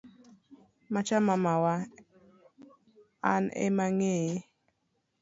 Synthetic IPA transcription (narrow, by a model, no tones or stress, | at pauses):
mat͡ʃamamawa | anḛmaŋeje